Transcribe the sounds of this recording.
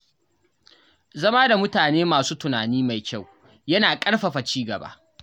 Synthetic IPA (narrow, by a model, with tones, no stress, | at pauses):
zɐ˦maː˦da˨mʊ˦taː˨neː˦maː˨suː˦tʊ˨naː˨niː˦ma˨jkʲa˦˨w | jɐ˦naː˨kʼɐ˦ɽɸɐ˨ɸa˨t͡ʃiː˦ɡɐ̰˨ba̰˦ʔ